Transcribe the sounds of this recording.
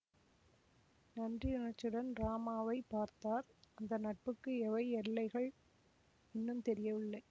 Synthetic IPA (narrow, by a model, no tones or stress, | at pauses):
nɐndriɪnɐɾt͡ʃːɯɽɐnɾaːmaːʋɐɪpːaːɾt̪aːɾɐnd̪ɐnɐʈ̚pɯkːɯɛʋɐɪɛɾɭːɐɪɣɐɭ | ɪnːɯmt̪ɛɾɪjɐʋɪɭːɐɪ